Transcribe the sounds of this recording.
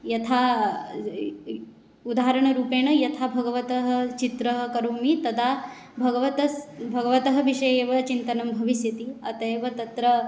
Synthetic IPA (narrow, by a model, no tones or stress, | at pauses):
jɐt̪ʰaː | ud̪aːɦɾɐɳ̃ɐɾuːpeːɳɐjɐt̪ʰaːbʱɐɡɐʋɐt̪ɐɦɐ̆t͡ʃit̪ɾɐɦɐkɐɾoːmit̪ɐd̪ʱaː | bʱɐɡɐʋɐt̪ɐbʱɐɡɐʋɐt̪ɐɦɐ̆ʋiʂɐjeːʋɐt͡ʃint̪ɐnɐmbʱɐʋisjɐt̪iɐt̪ɐjʋɐt̪ɐt̪ɾɐ